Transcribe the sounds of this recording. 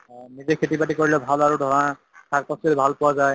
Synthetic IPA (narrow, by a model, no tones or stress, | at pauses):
nizɛkʰetipatikoɹilɛbʱalaɹudʱɔɹɔna | tʰak̚pɔstilbʱalpʊwazaj